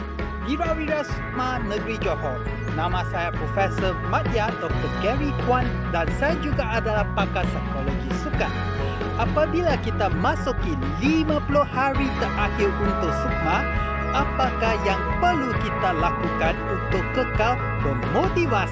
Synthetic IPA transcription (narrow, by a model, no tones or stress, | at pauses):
wiɾawiɾasuk̚manə̃ɡɾid͡ʒɔhɔn | nãmãsajapɾofɛsəmat̚jadɔk̚t̪ərkɛɹikwan | dansajad͡ʒuɡaʔadalahpakasajkɔloɡisuka̰t̪̚ | ʔapabilakit̪amãsuki | limãpulʊhaɾit̪əʔahiɾunt̪ʊk̚suk̚mã | ʔapakajaŋpərlukit̪alakukanunt̪ʊkːəkal | bənmot̪ivas